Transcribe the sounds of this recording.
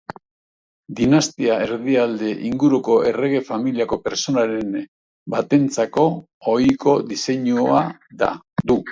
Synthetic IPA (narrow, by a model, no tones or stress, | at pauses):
d̪inast̪iae̞ɾðiald̪e̞ʔiŋɡuɾuko̞e̞re̞ɣ̞e̞familiako̞pe̞ɾso̞naɾe̞n | bat̪e̞nt͡sako̞ | ojko̞d̪ise̞ɲuaða̰ | d̪u